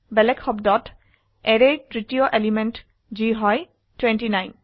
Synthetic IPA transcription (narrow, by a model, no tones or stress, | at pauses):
bɛlɛkhɔb̚dɔt | ɛɾetɹitioʔelimɛnʈ | d͡ʒiɦɔj | twɛnʈinajn